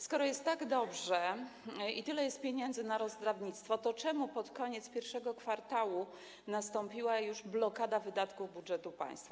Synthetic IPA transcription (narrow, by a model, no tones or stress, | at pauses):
skɔɾɔjɛst̪tːaɡd̪ɔbʐɛ | it̪ɘlɛjɛst̪̚pʲjeɲɛnd̪zɘnaɾɔzd̪ɾavɲit̪st̪fɔt̪ɔt͡ʂɛmupɔt̪kɔɲɛt̪spʲjɛɾfʂɛɡɔkfaɾt̪awu | nast̪ɔmpʲiwajuʐblɔkad̪avɘd̪at̪kubudʐɛt̪upã̰j̃st̪fa